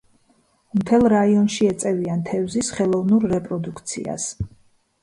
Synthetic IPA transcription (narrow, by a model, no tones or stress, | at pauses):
mt̪ʰɛlˠɾaiɔnʃiɛt̪sʼɛviant̪ʰɛvzisχɛlˠɔvnuɾːɛpʼɾɔd̪ukʰt̪sʰḭa̰s